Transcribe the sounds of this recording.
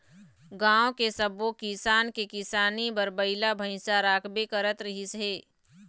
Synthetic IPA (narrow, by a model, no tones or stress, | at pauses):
ɡãːõkesəbokisaːnkekɪsaːnibəɾbəɪlabʱə̃ɪ̃saɾaːkʰbekəɾət̪ɾɐɦisɦeː